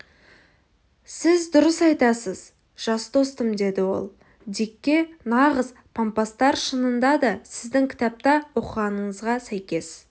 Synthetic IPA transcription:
sɪzd̪ʊɾəsɑjt̪ɑsəz | ʒ̥ɑsd̪o̞st̪əmd̪e̞d̪ɪwo̞̰lˠ | d̪ekʲːe̞nɑʁəz | pʰompast̪ɑɾʃənənd̪ɑd̪ɑsɪzd̪ɪŋkʲʰɪ̥t̪ɑp̚t̪ɑwo̞qəʁɑnəɴəzʁɑsæjkʲe̞s

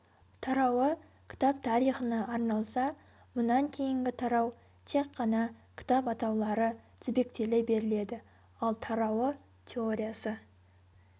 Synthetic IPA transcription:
t̪ʰɑɾɑwə | kʲʰɪ̥t̪ɑp̚t̪ʰɑɾijχənɑʔːɾnɑlˠsɑ | mʊnɑŋkʲʰe̞jɪŋɡʲɪt̪ʰɑɾɑw | t̪ʰe̞kʰːɑnɑkʲʰɪ̥t̪ɑpɑt̪ɑwlˠɑɾət̪ʰɪbe̞k̚t̪e̞lɪbe̞ɾɪle̞d̪ɪ | ɑlˠt̪ʰɑɾɑwə | t̪ʲʰe̞o̞ɾʲijasə

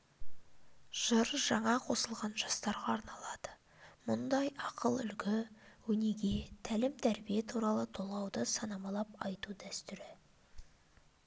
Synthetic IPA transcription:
ʒ̥əɾʒɑɴɑqʰo̞səlˠʁɑnʒɑst̪ɑɾʁɑːɾnɑlˠɑd̪̥ə | mʊnd̪ɑjɑqəlˠʏ̰lkʲɪwɵneɡʲet̪ʰælɪmt̪ʰæɾbijet̪ʰuɾɑlˠət̪ʰo̞lˠɑwd̪əsɑnɑmɑlˠɑp̚ɑjt̪ud̪æst̪ʏɾɪ

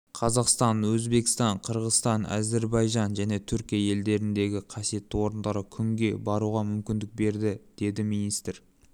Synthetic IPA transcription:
qʰɑzɑqst̪ɑnwɵzbe̞kʲɪ̥st̪ɑɴqʰəɾʁəst̪ɑnæ̰ze̞ɾbɑjʒɑnʒæne̞t̪ʰʏɾkʲijaje̞ld̪e̞ɾɪnd̪e̞ɡʲɪqʰɑsije̞t̪ːɪwo̞ɾənd̪ɑɾəkʲʰʏŋɡʲe̞bɑɾuʁɑmʏmkʲɪnd̪ɪk̚be̞ɾd̪ɪd̪̥e̞d̪ɪmijnijst̪ɾ

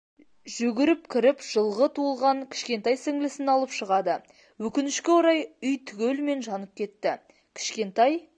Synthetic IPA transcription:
ʒʏɡʲɪɾɪpkʲʰɪɾɪpʒ̥əlˠʁət̪ʰuəlˠʁɑŋkʲʰɪ̥ʃkʲe̞nt̪ɑjsɪŋlɪsɪnɑlˠəpʃəʁɑd̪ə | wɵkʲɪnɪʃkʲe̞woɾɑjʏjt̪ʰʏɡʲelme̞nʒɑnəp̚kʲʰe̞t̪ːɪ | kʲʰɪ̥ʃkʲe̞nt̪ɑj

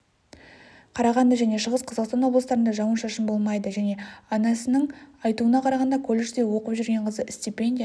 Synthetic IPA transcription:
qʰɑɾɑʁɑnd̪əʒæne̞ʃəʁəsqʰɑzɑqst̪ɑnwobləst̪ɑɾənd̪ɑʒɑwənʃɑʃəmbo̞lˠmɑjd̪əʒæne̞ɑnɑsənəɴɑjt̪uənɑqʰɑɾɑʁɑnd̪ɑkʲʰolʲːeʃd̪e̞wo̞qəpʒʏɾɡʲe̞ɴqʰəzəst̪ipʲend̪ʲij

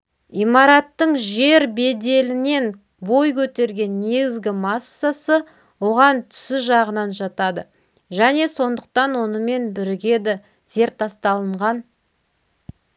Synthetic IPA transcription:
ijmɑɾɑt̪ːəɴʒe̞ɾbe̞d̪e̞lɪne̞n | bo̞jkʲʰɵt̪e̞ɾɡʲe̞nːe̞ɡʲɪzɡʲɪmɑsːasə | wo̞ʁɑnt̪ʰʏ̥sɪʒɑʁənɑnʒɑt̪ɑd̪ə | ʒæne̞so̞nd̪əq̚t̪ɑnwo̞nəme̞nbɪɾɪɡʲe̞d̪ɪ | z̥e̞ɾt̪ːɑst̪ɑlˠəɴʁɑn

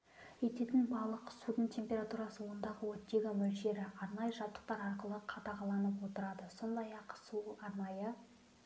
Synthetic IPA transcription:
je̞t̪e̞t̪ɪnbɑlˠəqsud̪əɴt̪ʲʰe̞mpʲe̞ɾat̪uɾɑsəwo̞nd̪ɑʁəwot̪ːeɡamɵlʃe̞ɾɪʔɑɾnɑjəʒɑp̚t̪ːə̥q̚t̪ɑɾɑɾqəlˠəqʰɑt̪ɑʁɑlˠɑnəpwo̞t̪əɾɑd̪əso̞nd̪ɑjɑqsuɑɾnɑjə

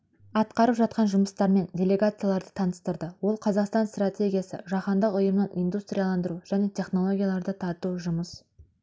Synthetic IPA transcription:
ɑt̪qɑɾəpʒɑt̪̚qɑnʒʊməst̪ɑɾme̞ndʲe̞lʲe̞ɡat̪sɨjalˠɑɾd̪ət̪ʰɑnəst̪əɾd̪əwo̞lˠqʰɑzɑqst̪ɑnst̪ratʲʰe̞ɡʲijasə̰ʒɑχɑnd̪əqʊjəmnɑnʔind̪ust̪ɾʲijalˠɑnd̪əɾuʒ̥æne̞t̪ʲʰe̞χno̞lˠo̞ɡʲijalˠɑɾd̪ət̪ʰɑɾt̪uʒʊməs

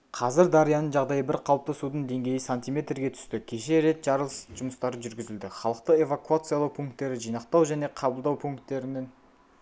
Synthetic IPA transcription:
qʰɑzɪɾd̪ɑɾijɑnənʒɑʁd̪ɑjəbɪɾqʰɑlˠp̚t̪ɑsud̪əɴd̪e̞ŋɡʲe̞jɪsanʲt̪ijmʲe̞t̪ɾɡʲe̞t̪ʰʏ̥st̪ɪkʲʰe̞ʃe̞ɾe̞t̪ʒ̥ɑɾəlˠsʒ̥ʊməst̪ɑɾəʒʏɾɡʲɪzɪld̪ɪχɑlˠəq̚t̪əe̞vakuat̪sɨjalˠɑwpʰuŋk̚t̪ːe̞ɾɪʒijnɑqt̪ɑwʒæne̞qʰɑbəlˠd̪ɑwpʰuŋkt̪ːe̞ɾɪnɪŋ

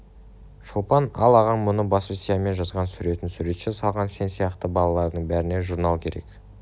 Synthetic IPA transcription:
ʃolˠpɑnɑlˠɑʁɑɴmʊnəbɑsisʲijame̞nʒɑzʁɑnsʏɾe̞t̪ɪnsʉɾe̞t̪ʃɪsɑlˠʁɑnse̞nsijɑqt̪əbɑlˠɑlˠɑɾd̪əɴbæɾɪne̞ʒuɾnɑlˠkʲʰe̞ɾe̞̰k

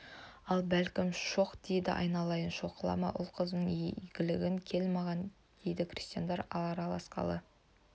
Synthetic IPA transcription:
ɑlˠbælkʲɪmʃo̞qd̪̥e̞jd̪ɪ̰ʔɑ̰jnɑlˠɑjənʃo̞qʰəlˠɑ̰mɑ̰ʔʊ̰lˠqʰəznəɴɡʲɪlɪɡʲɪŋkʲʰe̞lmɑʁɑn | d̪̥e̞jd̪ɪkʲʰrʲi̥st̪ijand̪ɑɾɑɑɾɑlˠɑsqɑ̰lˠə

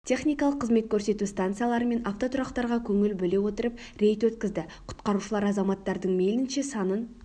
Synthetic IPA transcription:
t̪ʲʰe̞χnijkɑlˠəqʰːəzme̞t̪̚kʲʰɵɾse̞t̪ust̪ant̪sɨjalˠɑɾəme̞nɑft̪o̞t̪ʰʊɾɑqt̪ɑɾʁɑkʲʰɵŋɪlbɵle̞wo̞t̪əɾəp̚ɾe̞jt̪wɵt̪kʲɪzd̪ɪqʰʊ̥t̪qɑɾuʃəlˠɑɾɑzɑmɑt̪ːɑɾd̪əɴme̞lɪnʃe̞sɑnən

